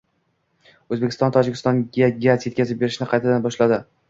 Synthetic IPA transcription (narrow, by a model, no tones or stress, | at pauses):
ɵzbekʲʰɪst̪ɒnt̪ʰɒd͡ʒɪkʲʰɪst̪ɒnɡʲaɡʲaɾzje̞t̪̚ʲkʰʲazɪp̚be̞ɾɪʃnɪqʰɑjt̪ʰad̪anbɒʃlad̪ɪ